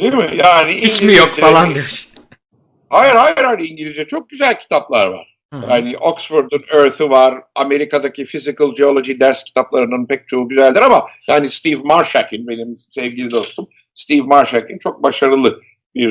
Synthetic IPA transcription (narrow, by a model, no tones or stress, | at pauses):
d̪ejimɪjaːniiɲt͡ʃimijozkd͡ʒalˠandis | hajɯɾhajɯɾaːjniiɲɟilʲizd͡ʒɛt͡ʃʰo̞k̚ɟyzælʲcʰi̥t̪ʰaplˠaɾva̰ɾ̥ | jaːnɪʔoksfuɾd̪ynøɾt̪yvaɾame̞ɾikad̪acʰifizikɯlˠd͡ʒeo̞lˠo̞ʒid̪æɾscʰi̥t̪ʰaplˠaɾɯnanpʰɛc̚t͡ʃʰo̞uːɟyzælʲd̪iɾamajaːnist̪ivmaɾʃacʰinbe̞nimsɛvɟilʲid̪o̞st̪ʰum | st̪ivmaɾʃacint͡ʃʰo̞k̚baʃaɾɯlˠɯ | biɾ